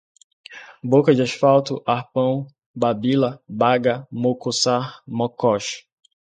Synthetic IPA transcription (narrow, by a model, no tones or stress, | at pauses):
bokɐd͡ʒɪaʃfawt̪ʊʔahpɐ̃w̃ | babilɐbaɡɐmokosahmɔkɔʃ